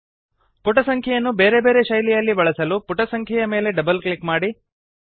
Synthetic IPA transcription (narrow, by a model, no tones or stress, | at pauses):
puʈɐsɐŋkʰɛjɐnːubeːɾebe̞ːɾe̞ʃɐjlijɐlːibɐɭɐsɐlupuʈɐsɐŋkʰɐjɐme̞ːle̞ɖɐbɐlkɭikmaːɽi